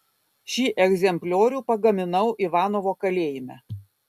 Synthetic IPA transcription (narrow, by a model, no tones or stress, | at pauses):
ʃʲiːʔɛɡzʲɛmʲpʲlʲoːɾʲuːpɐɡɐmʲɪnɐʊʔiʋɑːnoːʋoːkɐlʲeːjɪmʲɛ